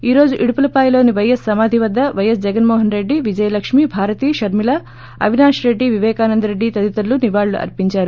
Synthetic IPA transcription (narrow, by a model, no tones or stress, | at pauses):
iːɾo̞ːd͡ʒuʔiɽupulɐpaːjlo̞ːniʋɐjɐsːɐmaːd̪ʱiʋɐd̪ːɐʋɐjɐsd͡ʒɛɡɐnmoːɦɐnɾe̞ɖːiʋid͡ʒɐjɐlɐkʂmiːbʱaːɾɐt̪iːʃɐɾmilɐ | ɐ̰ʋinaːʂɾe̞ɖːiʋiʋɛːkaːnɐnd̪ɐɾe̞ɖːit̪ɐd̪it̪ɐluniʋaːɭlṵʔɐ̰ɾpiɲt͡ʃaːɾu